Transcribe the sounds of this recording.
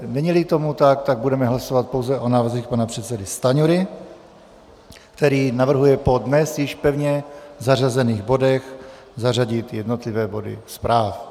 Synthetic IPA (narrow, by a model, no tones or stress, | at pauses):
nɛɲilɪt̪o̞mut̪akt̪aɡ̚budɛmɛɦlaso̞vat̪̚po̞wzɛʔo̞naːvr̩zixpanapr̝̥ɛt̪sɛdɪst̪aɲuɾɪ | kt̪ɛɾiːnavr̩ɦujɛpo̞dnɛsjɪʃpɛvɲɛzar̝azɛniːɣbo̞dɛx | zaraɟɪt̪jɛdno̞t̪lɪvɛːbo̞dɪ̰spɾaːf